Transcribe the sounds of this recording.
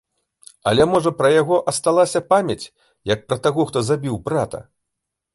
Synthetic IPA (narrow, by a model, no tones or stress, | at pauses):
ɐ̰lʲɛmɔʐɐpɾɐjaɣɔʔɐst̪alˠasʲɐpamʲɐt͡sʲ | jɐk̚pɾɐt̪aɣɔxt̪ɔzabʲiwbɾat̪ɐ̰